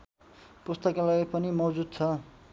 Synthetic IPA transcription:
pust̪ʌkalaipʌnimʌd͡zud̪̚t͡sʰʌ

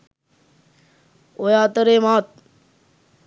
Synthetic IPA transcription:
ojaːt̪əɾeːmaːt̪̚

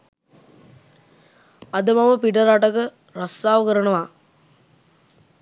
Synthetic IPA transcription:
ɐd̪əmaməpiʈəɾaʈəkə | rɐst̪aːʋəkəɾəɳəʋa

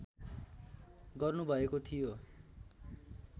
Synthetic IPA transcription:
ɡʌrnubʱʌekot̪ʰijo

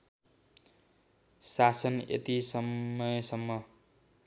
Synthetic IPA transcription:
sasʌnḛt̪isʌmːʌjsʌmːʌ

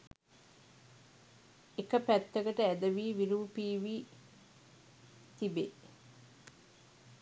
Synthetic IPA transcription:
ekəpæt̪ːəɡəʈəæd̪əʋiːʋiɾuːpiːʋi | t̪ibe

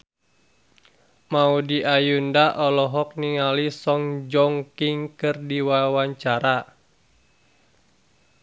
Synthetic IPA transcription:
maudiʔajundaʔɔlɔɦɔk̚niŋalisɔŋd͡ʒɔŋkiŋkɨrdiwawaɲt͡ʃaɾa

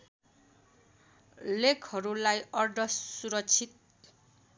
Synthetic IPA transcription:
lekʰhʌɾulajʌrɖʱʌssuɾʌt͡sʰit̪̚

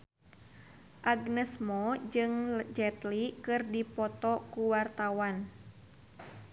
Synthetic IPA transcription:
ʔaɡnɛsmɔd͡ʒɨŋd͡ʒɛt̪likɨrdipɔt̪ɔkuwart̪awan

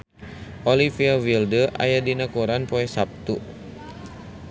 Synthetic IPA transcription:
ʔolifiawildəʔa̰jadinakuɾanpɔɛsap̚t̪u

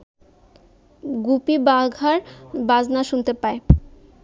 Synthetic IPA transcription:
ɡupibaɡʱaɾbad͡ʑnaʃunt̪epae

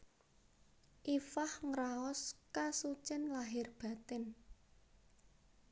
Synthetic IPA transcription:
ʔifahŋɾaɔskasut͡ʃɪnlaɦɪrb̥a̤t̪ɪn

